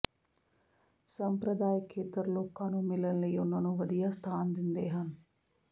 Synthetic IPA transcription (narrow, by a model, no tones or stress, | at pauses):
sɐmpɾɐd̪aːjəkʰːeːt̪ɐɾloːkaːnumilɐnlejonːɐnuʋɐd̪ijast̪ʰaːnd̪ind̪eːɦɐn